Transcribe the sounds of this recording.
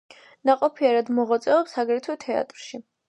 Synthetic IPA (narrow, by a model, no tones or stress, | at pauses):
naqʼɔpʰiaɾad̪mɔʁat̪sʼɛɔpsaɡɾɛt̪ʰwɛt̪ʰɛa̰t̪ʼɾʃi